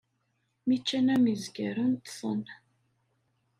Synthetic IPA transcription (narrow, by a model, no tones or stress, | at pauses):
mit͡ʃːænæmizɡæɾunt̪sˤə̰n